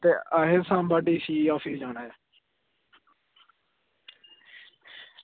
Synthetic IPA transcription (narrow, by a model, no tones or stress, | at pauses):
t̪eːaːɦesãːmbaːɖiːsiːaːfʰiːd͡ʒaːnaːjeː